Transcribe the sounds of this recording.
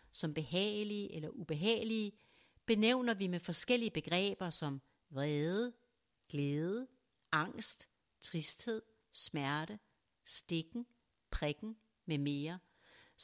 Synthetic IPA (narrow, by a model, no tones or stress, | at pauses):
sɒ̽mb̥e̝ɦɛ̰ːliəʔelɐʔub̥e̝ɦɛ̰ːliə | b̥e̝neʊ̰nɐʋimefɒ̽sɡ̥el̰iəb̥e̝ɡ̥ʁɛ̰ːb̥ɐsɒ̽m | ʋʁɛːðˠə | ɡ̥leːð̞ˠə | ɑ̈ŋ̰sd̥ | t͡sʰʁisd̥he̝ð̞̰ˠ | smæɐɾ̥ə | sd̥e̝ɡ̥ŋ̩ | pʰʁeɡ̥n̩ | meme̝ːɐ